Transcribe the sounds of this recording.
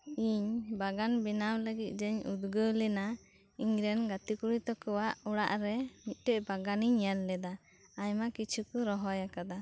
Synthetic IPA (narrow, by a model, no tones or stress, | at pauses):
iɲbaɡanbinawləɡit̪̚ˀd͡ʒəɲud̪ɡəlɛna | iɲɾɛnɡat̪ikuɽit̪ɔkɔwaʔuɽa̰ʔɾɛmit̪̚ˀʈɛʔbaɡaniɲalːɛd̪aː | jmakit͡ʃʰukɔɾɔɦɔjakad̪a